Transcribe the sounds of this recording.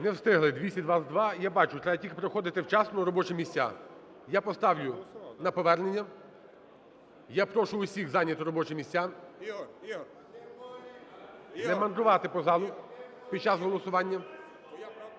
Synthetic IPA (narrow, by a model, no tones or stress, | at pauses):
nɛwst̪ɪɦlˠɪd̪ʋʲisʲɐd̪ʋasd̪ʋɑjabɑt͡ʃʊt̪ɾɛbɐtʲikpɾɔxɔd̪ɪt̪ɪwt͡ʃɑsnɔɾɔbɔt͡ʃɛmʲisʲtʲa̰ | japɔst̪ɑwlʲʊnɐpɔʋɛrnenʲːɐ | japɾɔʃʊʊsʲixzɑnʲːɐt̪ʊɾɔbɔt͡ʃɛmʲisʲa | nɛmɐnd̪ɾʊʋɑt̪ɪpɔzɑlˠʊ | pʲid̪̚t͡ʃɑzɦɔlˠɔsʊʋɑnʲːɐ